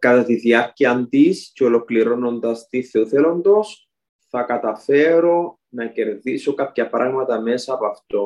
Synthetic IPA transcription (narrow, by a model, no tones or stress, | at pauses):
kɐt̪ɐt̪iðiɐɾciɐnd̪isceolo̞kliɾo̞no̞nd̪ɐst̪iθeuθelo̞nd̪o̞s | θɐkɐt̪ɐfe̞ɾo̞ | nɐce̞ɾðiso̞kapçɐpɾɐ̰ɣmɐt̪ɐme̞sɐːpoɐft̪o